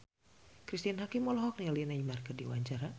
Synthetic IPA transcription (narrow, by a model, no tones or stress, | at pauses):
kɾist̪ianɦakimɔlɔɦɔk̚nialinaimarkərdiwa̰ɲt͡ʃaɾa